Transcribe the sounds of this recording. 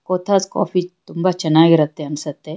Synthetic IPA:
koːt̪ʰat͡skɔ̰ːfiːt̪umbat͡ʃɐnaʋiɾɐt̪ːeɐnsɐt̪ːe

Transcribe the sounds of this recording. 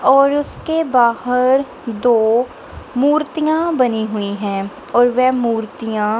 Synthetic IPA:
ɔːɾʊskebaːɦəɾ | d̪oː | muːɾt̪ijãbɐniɦʊiɦɛ̃ː | ɔːɾʋɛmuːɾt̪ijã

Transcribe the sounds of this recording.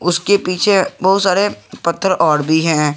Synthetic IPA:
ʊskepiːt͡ʃʰebɐɦʊt̪saːɾepɐt̪ʰːəɾɔːɾbʱiɦɛ̃ː

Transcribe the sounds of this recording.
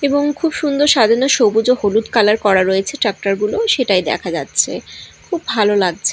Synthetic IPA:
eboŋkʰubʃund̪oɾʃad̪ʱiɾnoʃobud͡ʑoholut̪kalaɾkɔɾaɾoet͡ɕʰeʈɾak̚ʈaɾɡuloʃeʈajd̪ɛ̰kʰad͡ʑa̰tːɕʰḛkʰubːʱalolaɡ̚t͡ɕʰe

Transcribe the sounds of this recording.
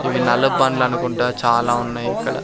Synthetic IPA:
iʋinɐlɐbaːnlɐnukuɳʈaːt͡ʃaːlaːunːaːjikːɐɽɐ̰

